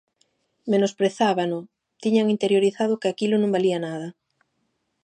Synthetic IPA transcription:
menospɾeθaβanʊ | t̪iɲaŋint̪eɾjoɾiθaðʊkɪakilʊnõŋbalianaðɐ

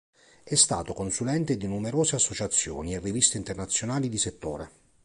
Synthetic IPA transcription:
ɛst̪a̰ːt̪okonsulɛnt̪ed̪inumeɾoːzeasːot͡ʃat̪sːjo̰ːnierːivist̪eint̪ernat̪sːjonaːlid̪iset̪ːo̰ːɾe

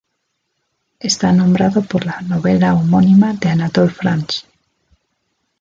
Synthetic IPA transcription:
est̪anõmbɾaðopoɾlanoβelaomonimaðeanat̪olfɾans

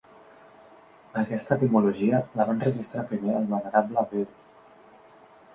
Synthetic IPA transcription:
əkɛst̪ət̪imuluʒiələβanrəʒist̪ɾapɾimeəlˠβənəɾabləβiw

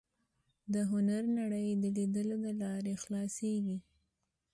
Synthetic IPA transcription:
d̪əɦʊnaɾnaɽəjd̪əlid̪əlod̪əlɑɾexlɑseɡi

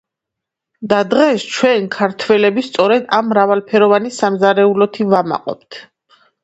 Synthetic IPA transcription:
d̪ad̪ʁɛst͡ʃʰwɛnkʰaɾt̪ʰwɛlɛbist̪sʼɔɾɛd̪amːɾavalˠpʰɛɾɔvanisamzaɾɛulɔt̪ʰivama̰qʼɔ̰pt̪ʰ

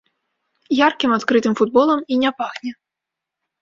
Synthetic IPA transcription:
jarkʲimat̪kɾɨt̪ɨmfud̪̚bɔlˠɐminʲapaɣnʲɛ

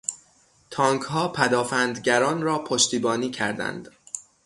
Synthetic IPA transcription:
t̪ʰɒːŋkhɒːpʰæd̪ɒːfænd̪ɟæɾɒːnɾɒːpʰoʃt̪iːbɒːniːcʰæɾd̪æ̰nd̪̥

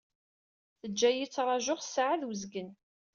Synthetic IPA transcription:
θəd͡ʒːæjit͡sːɾˤɑʒʊχsʕaðwəzɡən

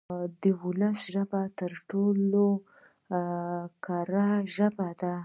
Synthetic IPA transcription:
d̪əwʊləsʒəbat̪əɾʈolo | kaɾaʒəbad̪a

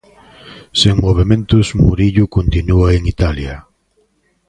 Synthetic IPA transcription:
seŋmoβ̞emẽnt̪ʊsmuɾiʎʊkont̪inuaeŋit̪aljɐ

